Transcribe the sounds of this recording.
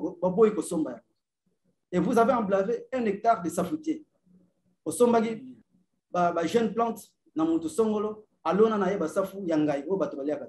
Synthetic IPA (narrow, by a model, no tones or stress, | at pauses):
babojikosombaja | evuzaveãblaveɛ̃nɛk̚taʁdesafutje | osombaki | babaʒɛnplɑ̃t | namotosoŋɡolo | alonanajebasafujaŋɡaiobatobaliaka